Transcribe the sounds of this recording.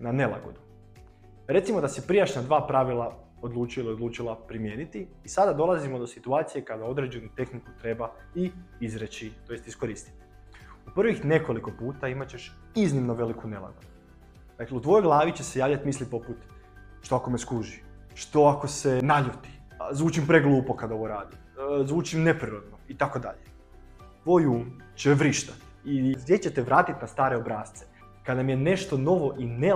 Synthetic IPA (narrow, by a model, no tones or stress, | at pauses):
nane̞lˠa̰ɡo̰d̪u | ɾe̞t̪simo̞d̪asepɾijaʃnad̪ʋaːpɾaʋilˠa | o̞d̪lˠuːt͡ʃuiliod̪luːt͡ʃilˠapɾimje̞ːnit̪iːsad̪ad̪o̞lˠazimo̞d̪o̞sit̪uaːt̪sije̞kad̪ao̞d̪ɾe̞d͡ʑe̞nut̪e̞xnikut̪ɾe̞ba | iizɾet͡ɕit̪o̞jest̪isko̞ɾiːst̪i̥t̪i̥ | uprʋixne̞ko̞liko̞puːt̪aimat͡ɕe̞ʃ | iznimno̞ʋe̞likune̞la̰ɡo̞d̪uu | ɾakleut̪ʋo̞jojɡlˠaːʋit͡ɕe̞se̞jaːʋlʎat̪mislipo̞put̪ | ʃt̪oako̞meskuʒi | ʃt̪o̞ako̞senaʎut̪i̥ | zʋuːt͡ʃimpɾeɡlˠuːpo̞kad̪o̞ʋo̞ɾaːd̪i | zʋuːt͡ʃimne̞pɾiɾod̪noit̪ako̞d̪a̰ʎe | t̪ʋo̞juːmt͡ɕeʋɾiʃt̪at̪ | isd̪jet͡ɕet̪eʋɾaːt̪it̪nast̪aːɾe̞obɾaːst̪se | kad̪namije̞ne̞ʃt̪o̞no̞ʋo̞ʔine